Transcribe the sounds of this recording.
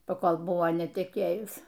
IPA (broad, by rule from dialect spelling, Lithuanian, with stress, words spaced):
pɐˈkoːlˠ ˈbʊʋoː nʲɛtʲɛˈkʲeːjʊs